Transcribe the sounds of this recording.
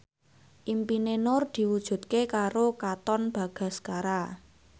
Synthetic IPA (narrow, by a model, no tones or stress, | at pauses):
ʔimpinenʊrd̪̥i̤wud̥ʒ̥ṳt̪̚kekaɾokat̪ɔnb̥a̤ɡ̥a̤skaɾa